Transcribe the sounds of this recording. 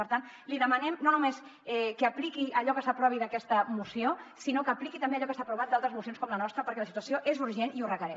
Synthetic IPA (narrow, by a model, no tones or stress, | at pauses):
əɾt̪an | liðəmənɛmnonumesɛkəːplikiəʎɔkəsəpɾɔβiðəkɛst̪əmusiosinokəːplikit̪ɐmbeːʎɔkəst̪apɾuβat̪d̪alˠt̪ɾəzmus̬jonskɔmlənɔst̪ɾəpəɾkɛləsit̪uəsioʔezuɾʒeniurəkəɾɛ